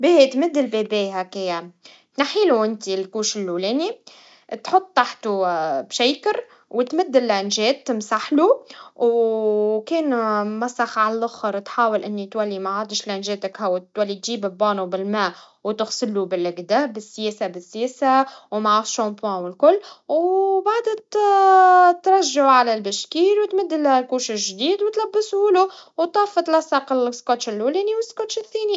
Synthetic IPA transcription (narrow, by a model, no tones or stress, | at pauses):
bet̪mɪd̪ːɪlbeːbeːhækeja | t̪naħiːluʔɪnt̪ilkuːʃɪlːuleːni | t̪ħʊt̪ˤːaħt̪ubʃæjkəɾ | wɪt̪mɪd̪ːɪlːʔænʒɛːt̪ːmsaħluw | kɛːnmæsɑxʕallʊxəɾˤt̪ħaːwɪlʔɪnːit̪wælːimaʕaːd̪ɪʃlʔænʒeːt̪əkhawːt̪ːwælːit̪ʒiːbɪbɑːnubɪlmæ | wt̪ɪɣsɪlːubɪlɪɡd̪abɪsːjeːsabɪsːjeːsawmaʕaʃompɑ̃wɪlkʊlːwbaʕd̪t̪ | t̪ɾˤɑʒːaʕʕalælbɪʃkiːlwt̪mɪd̪ːɪllkuːʃɪʒd̪iːd̪wt̪læbːəshʊluwt̪ˤɑːfɑt̪lɑsˤːɑqɪlskot̪ʃɪlʔuleːniwɪsːkot̪ʃɪθːeːni